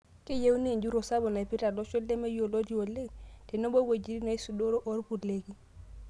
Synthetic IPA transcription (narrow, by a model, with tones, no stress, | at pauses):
kɪ˦je˦wu˦ne˦˨ɲd͡ʒu˦ɾo˨sa˦bɔ˨na˨i˨pi˦ta˨lɔ˦t͡ʃwɛ˦llɛ˦me˦jo˨lo˦d͡ʒi˦o˨le˦ɡtɛ˨no˦bo˦we˨d͡ʒi˨ɾi˦nɔ˨˦i˦su˨do˦ɾo˦ʔo˦ɾpu˨le˦ɡi˦